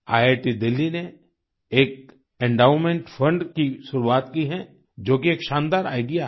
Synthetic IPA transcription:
aːjeːʈid̪ɪlːine | eːk̚ | ɛ̃ɳɖaːʊɾmẽɳʈfʰə̃ɳɖkiʃʊɾuaːt̪kiɦɛ̃ | d͡ʒoːkieːkʃãːnd̪aːɾaːɪɖija

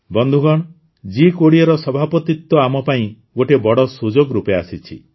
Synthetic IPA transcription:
bɔnd̪ʱuɡɔɽ̃ | d͡ʒikoɽiɔɾɔsɔbʱapɔt̪it̪ːɔamɔpaĩ | ɡoʈebɔɽɔsud͡ʒoɡɾupeasit͡ʃʰḭ

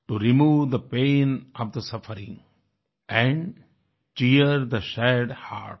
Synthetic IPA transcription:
ʈuɾimuːʋd̪əpẽːnɔʋd̪əsʌfəɾɪ̃ŋ | ʔɛ̃ɳɖ | t͡ʃiəɾd̪əʃɛɖha̰ːɾʈ̚

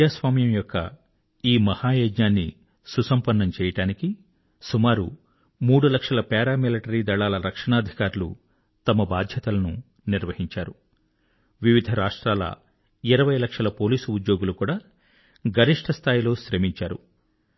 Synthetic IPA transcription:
aːsʋaːmjɐmjɔkːɐ̰ | iːmɐhaːjoːd͡ʒɲaːnːḭ | susɐmpɐnːɐmt͡ʃɛːjɐʈaːniki | sumaːɾu | muːɽulɐkʂɐlɐpɛːɾaːmilɐʈɐɾiːd̪ɐɭːaːlɐɾɐkʂɐɳaːd̪ʱikaːɾulṵ | t̪ɐmɐbaːd̪ʱjɐt̪ɐlɐnu | niɾʋɐɦiɲt͡ʃa̰ːɾu | ʋiʋid̪ʱɐɾaːʂʈɾaːlɐ̰ | iɾɐʋɐjlɐkʂɐlɐpo̞ːliːsuud̪jo̞ːɡulukuːɽaː | ɡɐɾiʂʈʰɐst̪ʰaːjilo̞ːʃɾeːmiɲt͡ʃaːɾṵ

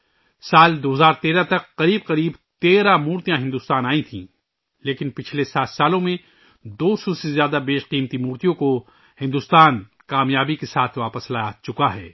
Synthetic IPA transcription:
saːld̪oːɦzaːɾt̪eːɾat̪ɐkːɐɾiːb̚qɐɾiːbt̪eːɾamuːɾt̪ijãɦɪ̃nd̪ʊst̪aːnaːĩt̪ʰḭ̃ː | leːkɪnpɪt͡ʃʰlesaːt̪ʰsaːlõmẽ | d̪oːsɔsezjaːd̪abeːʃqiːmt̪imuːɾt̪ijõko | hɪ̃nd̪ust̪aːn | kaːmjaːbikesaːt̪ʰʋaːpəslat͡ʃʊkaɦɛː

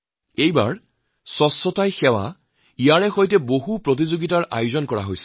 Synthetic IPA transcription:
ejbaɹ | sɔsːɔtajxɛwa̰ | ijaɹɛxojtɛboɦupɹot̬izoɡitaɹʔa̰jʊzɔnkɔɹa̰ɦojsɛ̥

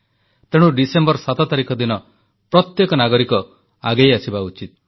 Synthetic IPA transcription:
t̪eɽ̃uɖisembɔɾsat̪ɔt̪aɾikʰɔd̪inɔ | pɾɔt̪jekɔnaɡɔɾikɔ | aɡejasibaut͡ʃit̪̚

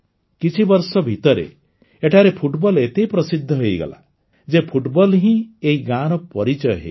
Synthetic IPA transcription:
kit͡ʃʰibɔɾsɔbʱit̪ɔɾḛ | eʈʰaɾepʰuʈbɔlet̪ejpɾɔsid̪ʱːɔɦojɡɔ̰la̰ | d͡ʒepʰuʈbɔlɦĩeɦiɡaɾɔpɔɾit͡ʃɔjɦḛ

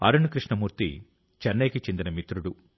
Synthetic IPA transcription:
ɐ̰ɾunukɾiʂɳɐmuːɾt̪ḭ | t͡ʃɐnːɐjkit͡ʃend̪inɐmit̪ɾuɽu

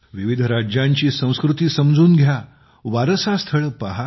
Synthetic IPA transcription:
ʋiʋid̪ʱɾad͡ʑjãɲt͡ɕiːsə̃w̃skɾut̪iːsəmd͡zuːnɡʱja | ʋaɾsast̪ʰəɭpaɦa

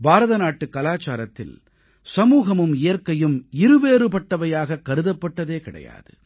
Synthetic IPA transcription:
bʱaːɾɐðɐnaːʈːɯkːɐlaːt͡ʃaːɾɐt̪ːɪ̰l | sɐmuːɣɐmɯmɪjɐɾkɐjɯmɪɾɯʋeːɾɯpɐʈːɐʋɐjaːɣɐkːɐɾɯðɐpːɐʈːɐðeːkɪɽɐ̰ja̰ːðɯ̰

